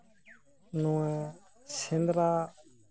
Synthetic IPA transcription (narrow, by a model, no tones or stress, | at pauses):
nũɛ̃ | sɪnd̪ɾaː